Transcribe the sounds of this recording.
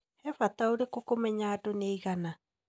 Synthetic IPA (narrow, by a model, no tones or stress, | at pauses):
ɛfat̪aoɾekokomɛɲaːdoneiɣana